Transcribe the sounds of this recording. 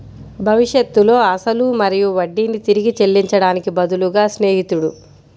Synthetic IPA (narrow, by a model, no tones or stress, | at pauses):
bʱɐʋiʂjɐt̪ːulo̞ːɐsɐlumɐɾijuʋɐɖːinit̪iɾiɡit͡ʃe̞lːiɲt͡ʃɐɽaːnikibɐd̪uluɡaːsne̞ːɦit̪uɽṵ